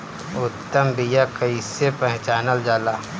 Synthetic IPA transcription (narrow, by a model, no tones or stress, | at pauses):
ʊt̪ːəmbijakɐisepə̃ɦɪ̃t͡ʃaːnəld͡ʒaːlaː